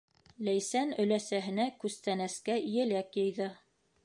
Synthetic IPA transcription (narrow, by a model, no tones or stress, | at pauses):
læjsænɵ̆læsæɦɘ̆nækʉst̪ænæskæijɘ̆lækjɤ̆jðɤ